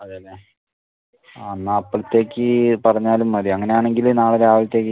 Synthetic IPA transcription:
ɐðeɐlːe | anːaːpːɐɭt̪ːe̞ːkʲːɨpɐrɐɲːaːlumːɐɾiɐŋːɐnejaːɳe̞ŋɡilnaːɭɐɾeaːʋlɐt̪ːe̞ːk̬ːɨ

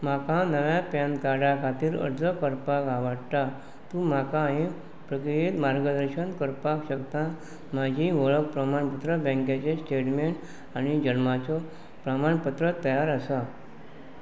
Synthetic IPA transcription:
m̤akãnəʋjapjãnt̪kaɽakʰat̪iːɾə̰ɾd͡zəkəɾpakaʋaɽt̪a | t̪ũm̤akaɦẽ | pɾəkɾijet̪maɾɡəd̪əɾɕənkəɾpakɕəkt̪ã | mad͡ʑʱĩʋəɭək̚pɾəmaɳpət̪ɾəbɛ̃ŋkat͡ɕesʈeʈmeɳʈ | añid͡ʑənmat͡sɔ | pɾəmaɳpət̪ɾət̪əjaɾəsa

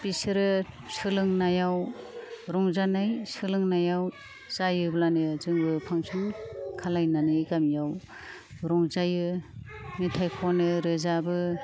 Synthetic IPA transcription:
bisɯɾɯsɯlɯŋnajaw | ɾɔŋzanɯjsɯlɯŋnajaw | z̥ajɯblanɯzɯŋbɯpʰaŋsʰɯŋkʰalajnanɯjɡamjaw | ɾɔŋzajɯ | mitʰajkʰɔnɯɾɯzabɯ

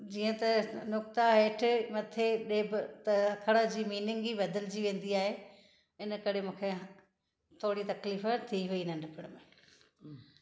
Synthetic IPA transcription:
d͡ʑiːə̃t̪ɐnʊk̚t̪aeːʈʰɪmɐt̪ʰeɗeːbɪt̪ɐɐkʰɐɽad͡ʑiːmiːnɪ̃ŋɡibɐd̪əld͡ʑiʋẽːn̆d̪iaːɦe | ɪnəkɐɾemũːkʰe | t̪ʰoːɽit̪ɐkliːft̪ʰiɦʊiːnənɪpʰɪɽ̃mẽː

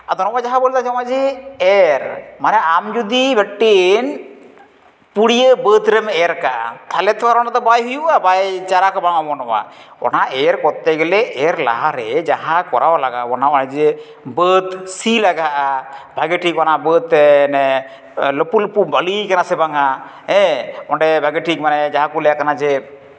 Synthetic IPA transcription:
ad̪ɔnɔbad͡ʒaɦãbolt̪ad͡ʒamad͡ʒiɛɾmanɛamd͡ʒud̪ibɛʈːen | puɽijəbət̪ɾɛmɛɾka̰t̪ʰalɛt̪aɾɔnat̪ɔbajɦujuʔabajt͡ʃaɾakɔbaŋabɔnɔba̰ɔ̰naʔɛɾkɔt̪ːɛɡɛlɛʔɛɾla̰ɦaɾɛd͡ʒaɦãkɔɾawalaɡa̰ɔnaɔnɛd͡ʒɛ | bət̪silaɡaʔabʱaɡeʈikɔnabət̪nɛ | ləpuləpubalikanasɛbaŋa | ɛ̃ɔɳɖɛbʱaɡeʈikmanɛd͡ʒaɦãkulɛjakanad͡ʒɛ

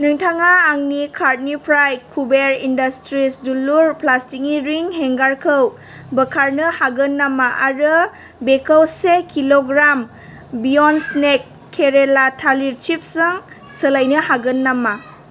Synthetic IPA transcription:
nɯŋtʰaŋaːŋnikʰaɾt̚nipʰɾajkʰubeɾindɐstɾisduluɾplastik̚niɾiŋheŋɡaɾkʰɯw | bəkʰaɾnɯhaɡɯnːamaʔaɾɯ | bekʰəwsekʰiloɡɾam | biɔnsnekʰː | eɾelatʰaliɾt͡ʃip̚sɯŋ | sɯlajnɯhaɡɯnːama

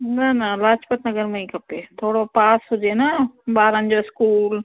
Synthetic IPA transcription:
nanalaːt͡ʃpət̪nɐɡəɾmẽĩkɐpet̪ʰoːɽopaːsɦʊd͡ʒenabaːɾə̃nd͡ʒoɪskuːl

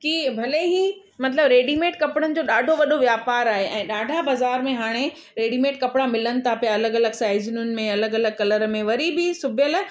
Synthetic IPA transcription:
kibʱɐleɦi | mɐt̪̬ləbɾeːɖiːmeːʈkɐpɽ̃ənɪ̆d͡ʑoːɗaːɖʱoʋɐɗʱoʋjaːpaːɾaːɦeʔɛ̃ːɗaːɖʱabɐzaːɾmẽɦaːɽ̃e | ɾeːɖimeːʈ̚kɐpɽamɪlənɪ̆t̪ʰapijaɐləɡɐləɡsaːɪzɪnʊnɪ̆mẽɐləɡɐləɡ̚kɐləɾmẽʋɐɾibɪsʊbʱjəl

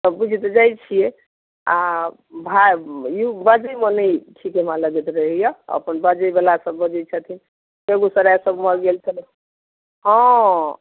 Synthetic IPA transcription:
t̪əbud͡ʒʱit̪ed͡ʒajt͡ʃʰije | a | bʱaubəd͡ʒəjmənəjʈʰikemãləɡɛt̪ɾəɦɛjəə̰pənbəd͡ʒəjbalasəbːəd͡ʒəjt͡ʃʰət̪ʰin | peɡosəɾajsəbməɾɡelt͡ʃʰəle | ɦɔ̃

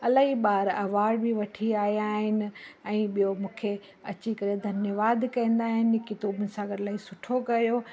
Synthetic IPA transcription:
ɐlaːɦiɓaːɾɐʋaːɽbʱiʋɐʈʰiaːɦiaːɦɪnɪ̆ɛ̃ːɓijomũːkʰe | ɐ̰t͡ɕikɐɾjed̪ʱɐnjəʋaːd̪kɐĩːn̆d̪aːɦɪnkɪt̪oːbʊnɪ̆sãɡʱɐɾlaːɦisʊʈʰokɐjo

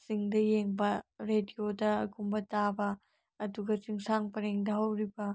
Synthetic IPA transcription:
siŋdɐjeŋbɐɾediodɐːkumbɐtabɐː | duɡɐt͡ʃiŋsaŋpɐɾeŋdɐɦɐwɾibɐ

